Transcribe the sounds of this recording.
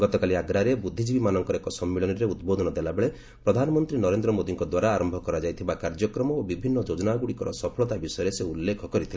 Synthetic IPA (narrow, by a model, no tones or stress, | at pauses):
ɡɔt̪ɔkaliaɡɾaɾebud̪ʱːid͡ʒibimanɔŋkɔɾekɔsɔmːiɭɔniɾeud̪bod̪ʱɔnɔd̪elabeɭe | pɾɔd̪ʱanɔmɔnt̪ɾinɔɾend̪ɾɔmod̪iŋkɔd̪waɾaːɾɔmbʱɔkɔɾad͡ʒajt̪ʰibakaɾd͡ʒɔkɾɔmɔobibʱinːɔd͡ʒod͡ʒɔnaɡuɽikɔɾɔ̰sɔpʰɔɭɔt̪abisɔjɔɾeseulːekʰɔkɔɾit̪ʰile